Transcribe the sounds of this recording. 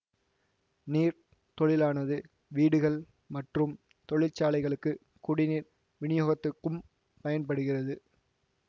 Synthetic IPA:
niːɾ | t̪ɔɭɪlaːnɐðɯ | ʋiːɽɯɣɐɭ | mɐʈrɯm | t̪ɔɭɪlt͡ʃːaːlɐɪɣɐɭɯkːɯ | kʊɽɪniːɾ | ʋɪɳɪjoːɣɐt̪ːɯkːɯm | pɐjɐnpɐɽɯɣɪrɐðɯ

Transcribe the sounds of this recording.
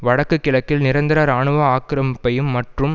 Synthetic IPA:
ʋɐɽɐkːɯkːɪlɐkːɪlnɪɾɐnd̪ɪɾaːɾaːɳɯʋɐaːkɾɐmɪpːɐjɯmːɐʈrɯm

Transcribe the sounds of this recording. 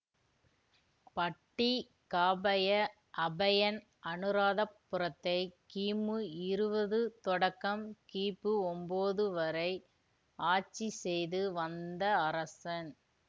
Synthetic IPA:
pɐʈːi | kaːbɐjɐ | ʔɐbɐjɐn | ʔɐnɯɾaːðɐpːɯɾɐt̪ːɐɪkiːmɯɪɾɯbɐðɯt̪ɔɽɐkːɐmkiːpːɯɔmboːðɯʋɐɾɐɪ | aːt͡ʃːisɛjðɯʋɐnd̪ɐːɾɐsɐn

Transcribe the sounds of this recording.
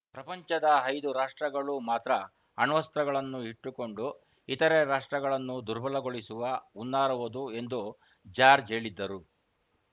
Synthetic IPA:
pɾɐpɐɲt͡ʃɐd̪ɐɦɐjd̪uɾaːʂʈɾɐɡɐɭumaːt̪ɾɐ | ɐnʋɐst̪ɾɐɡɐɭɐnːuiʈːuko̞ɳɖu | it̪ɐɾeɾaːʂʈɾɐɡɐɭɐnːud̪uɾbʱɐlɐɡo̞ɭisuʋɐunːaːɾuʋud̪ue̞nd̪u | d͡ʒaːɾd͡ʒɦe̞ːɭid̪ːɐɾu

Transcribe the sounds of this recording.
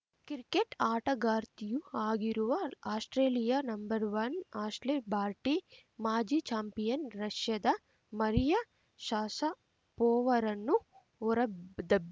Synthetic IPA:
kiɾikeʈaːʈɐɡaːɾt̪ijuaːɡiɾuʋɐaːsʈɾeːlijaːnɐmbɐɾʋɐnaːsʈlebʱaːɾʈi | maːd͡ʒiːt͡ʃaːmpijɐnɾɐʃjɐd̪ɐ | mɐɾijɐ | ʃaːsɐ | pɔːʋɐɾɐnːu | ɔɾɐd̪ɐb

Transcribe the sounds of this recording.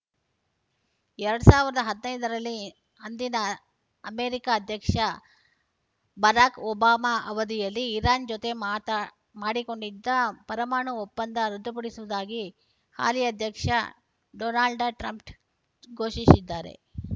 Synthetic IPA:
ɛɾɐɽusaːʋiɾɐd̪ɐɦɐd̪nɐjd̪ɐɾɐlːi | ɐnd̪inɐ | ɐmeːɾikaːd̪ʱjɐkʂɐ | bɐɾaːkɔːbaːmaʔɐʋɐd̪ijɐlːiːɾaːnd͡ʒot̪e̞maːt̪ɐ | maːɽiko̞ɳɖid̪ːɐpɐɾɐmaːɳuɔpːɐnd̪ɐɾɐd̪ːupɐɽisuʋud̪aːɡi | ha̰ːlijɐd̪ʱjɐkʂɐ̰ | ɖonaːɭɖʈɾɐmpʈ | ɡoːʃisid̪ːaːɾe̞̰

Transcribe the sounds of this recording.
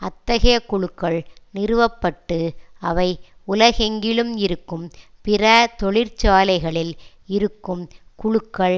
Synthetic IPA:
ɐt̪ːɐɣɐjɐkʊɻɯkːɐɭnɪɾɯʋɐpːɐʈːɯɐʋɐɪʊlɐɣɛŋɡɪɭɯmɪɾɯkːɯm | pɪrɐt̪ɔɭɪɾt͡ʃaːlɐɪɣɐɭɪl | ɪɾɯkːɯmkʊɻɯkːɐɭ

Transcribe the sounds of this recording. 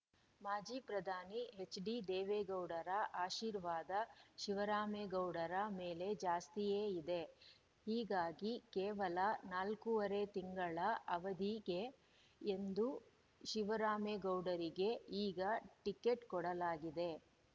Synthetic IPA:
maːd͡ʒiːpɾɐd̪ʱaːniɦe̞t͡ʃːɖid̪eːʋeɡɐwɖɐɾɐʔaːʃiːɾʋaːd̪ɐʃiʋɐɾaːmeɡɐwɽɐɾɐme̞ːle̞d͡ʒaːst̪ijeːid̪e̞ | hiːɡaːɡikeːʋɐlɐnaːlkuʋɐɾe̞t̪iŋɡɐɭɐɐʋɐd̪iɡeː | nd̪u | ʃiʋɐɾaːmeɡɐwɖɐɾiɡe̞iːɡɐʈikːe̞ʈkɔɽɐlaːɡid̪e̞

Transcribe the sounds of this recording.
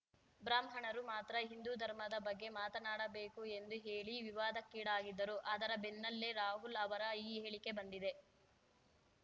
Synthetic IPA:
bɾaːmɦɐɳɐɾumaːt̪ɾɐɦind̪uːd̪ʱɐɾmɐd̪ɐbɐɡːe̞maːt̪ɐnaːɽɐbe̞ːkue̞nd̪uɦe̞ːɭiʋiʋaːd̪ɐkːiːɽaːɡid̪ːɐɾuʔɐːd̪ɐɾɐbenːɐlːeɾaːɦulɐʋɐɾɐiːeːɭike̞bɐnd̪id̪e̞

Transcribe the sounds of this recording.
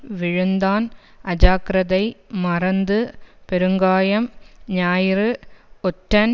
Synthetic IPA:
ʋɪɻɯnd̪aːnʔɐd͡ʒaːkɾɐðɐɪmɐrɐnd̪ɯpɛɾɯŋɡaːjɐmɲaːjɪɾɯɔʈːɐn

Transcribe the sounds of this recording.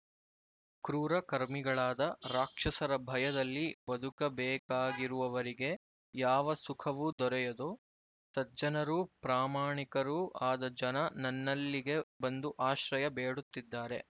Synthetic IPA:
kɾuːɾɐkɐɾmiɡɐɭaːd̪ɐɾaːkʂɐsɐɾɐbʱɐjɐd̪ɐlːiʋɐd̪ʱukɐbɛːkaːɡiɾuʋɐʋɐɾiɡe̞ | jaːʋɐsukʰɐʋud̪ɔɾɛjɐd̪oː | sɐd͡ʒɐnɐɾupɾaːmaːɳikɐɾuaːd̪ɐd͡ʒɐnɐnɐnːɐlːiɡe̞bɐnd̪uʔaːʃɾɐjɐbeːɽut̪ːid̪ːaːɾe̞

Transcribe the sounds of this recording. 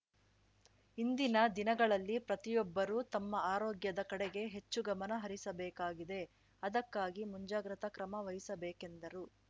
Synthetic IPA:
ind̪inɐd̪inɐɡɐɭɐlːipɾɐt̪ijɔbːɐɾuːt̪ɐmːɐaːɾoːɡjɐd̪ɐkɐɽeɡe̞ɦe̞t͡ʃːuɡɐmɐnɐɦɐɾisɐbɛːkaːɡid̪e̞ | ɐd̪ɐkːaːɡimuɲd͡ʒaːɡɾɐt̪ɐkɾɐmɐʋɐjisɐbɛːke̞nd̪ɐɾu

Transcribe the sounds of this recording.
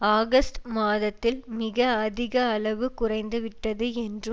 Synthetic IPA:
aːɣɐsʈmaːðɐt̪ːɪlmɪɣɐɐðɪɣɐːɭɐʋɯkʊrɐɪnd̪ɯʋɪʈːɐðɯɛndrɯm

